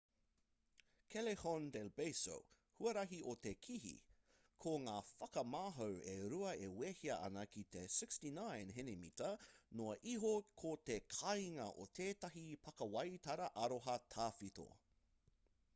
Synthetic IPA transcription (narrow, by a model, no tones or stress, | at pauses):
kʰelehondelbejso̰w | huɐɾɐɦiʔotekʰiɦḭ | kʰoŋaːfɐkɐmaːɦɐweɾuɐeweːhiɐʔɐ̰nɐkitesɪkstinãjnɦenemḭtɐnoɐʔiɦokʰotekʰɐjŋɐʔotʰeːtɐɦipʰɐkɐwɐjtɐɾɐʔɐɾoɦɐtʰaːfito̰